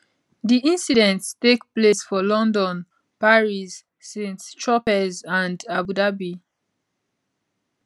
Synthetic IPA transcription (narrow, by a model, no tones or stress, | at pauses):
ðiĩnsidɛ̃ntstekplesfɔlɔ̃ndɔ̃n | paɹisː | ĩnstʰɹɔpɛzãndabudabi